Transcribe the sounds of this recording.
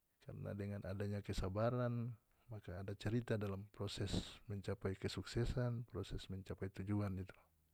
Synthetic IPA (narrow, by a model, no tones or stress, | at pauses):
ka̰rnʔa̰dɛŋanʔadaɲakɛsabaɾan | makaːdat͡ʃɛɾit̪adalampɾɔsɛsmɛɲt͡ʃapajkɛsuksɛsanpɾɔsɛsmɛɲt͡ʃapajt̪ud͡ʒuanit̪u̥